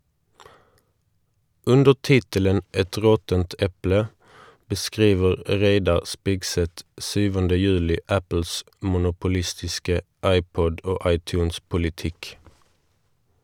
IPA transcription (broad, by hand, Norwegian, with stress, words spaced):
ˈʉndəʁ ˈtɪtələn ˈɛt ˈʁɔtənt ˈɛplə bəˈskʁiːʋəʁ ˈʁeɪdɑʁ ˈspɪɡˌsɛt ˈsyːʋəndə ˈjʉːlɪ ˈæpl̩s mʊnʊpʊˈlɪstɪskə ˈɑɪˌpɔd ˈoː ˈɑɪˌtjʉːnspʊlɪˌtɪk